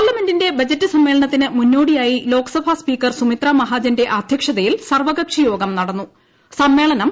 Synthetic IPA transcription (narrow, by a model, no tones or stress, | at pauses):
paːrlːɐme̞ndinde̞bɐd͡ʑɐtːɨsɐmːeːɭɐnɐt̪ːinɨmunːo̞ːɽijaːjilo̞ːkɐ̥sɐbʱaspiːkːɐrsumit̪ramɐɦaːd͡ʑɐnde̞ʔɐd̪ʱjɐkʂɐðɐjilsɐrʋɐɡɐpʂɐjo̞ːɡɐmnɐɽɐnːu | sɐmːe̞ːɭɐnɐm